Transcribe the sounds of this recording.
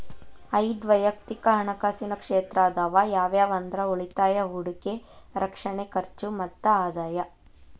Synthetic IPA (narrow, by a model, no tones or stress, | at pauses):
ɐjd̪ʋɐjɐk̚t̪ikɐɦɐɳɐkaːsinɐkʂeːt̪ɾaːd̪aːʋajaːʋjaːʋɐnd̪ɾɐuɭit̪aːjɐɦuɽike | ɾɐkʂɐɳekɐɾt͡ʃumɐt̪ːɐaːd̪aːjɐ